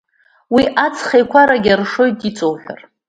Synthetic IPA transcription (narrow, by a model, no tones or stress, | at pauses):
wiʔat͡sʰχejkʷʰaɾaɡʲarʂo̞jtʼit͡sʼowħᶣa̰r